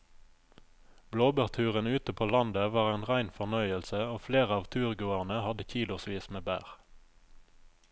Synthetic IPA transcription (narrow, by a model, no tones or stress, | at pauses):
bloːbəʁt̪ʰʉːʁənʉːt̪əpʰoːlɑnd̪əʋɑːʁeːnʁæɪnfɔʁnœʏəlsəoːfleːʁəɑːʋt̪ʰʉːʁɡʉːəʁnəhɑd̪əçiːlʊsʋiːsmeːbæ̰ːʁ